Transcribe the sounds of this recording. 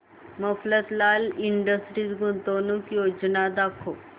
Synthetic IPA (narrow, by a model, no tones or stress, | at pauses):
məflət̪laliɳɖəsʈɾisɡunt̪onuːkjod͡ʑnad̪akʰo